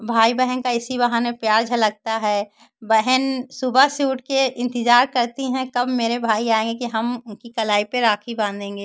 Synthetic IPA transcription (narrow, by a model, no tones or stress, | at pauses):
bʱaːibɛɦənkaɪsibɐɦanepjaːɾd͡ʒʱɐlɐɡ̚t̪aɦɛː | bɛɦənsʊbasjuːʈkeɪ̃nt̪ɪzaːɾkɐɾt̪iɦɛ̃kɐbmeːɾebʱaːiaːẽːŋɡekiɦɐmʊnkikɐlaːipeɾaːkʰibãːnd̪ẽːŋɡeː